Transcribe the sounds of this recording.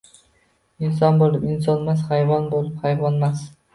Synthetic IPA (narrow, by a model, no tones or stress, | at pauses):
ɪnsɒnbolˠɪpɪnsɒnmashajvɒnbolˠɪphajvɒnmas